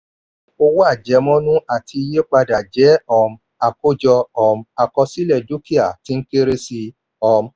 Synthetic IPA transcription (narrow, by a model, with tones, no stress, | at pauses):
o˧wo˦a˦˨d͡ʒɛ˨˦mɔ̃˦nũ˦ʔa˨tʰi˧i˧je˦k͡pa˧da˨d͡ʒɛ˨˦ɔ˧˨m̩˧ | a˨ko˦d͡ʒɔ˧ɔ˨m̩˨˦a˨kɔ˧si˦lɛ˦˨du˦ki˦a˨ti˨˦ŋ̩˦ke˦ɾe˦si˧ | ɔ˧m˦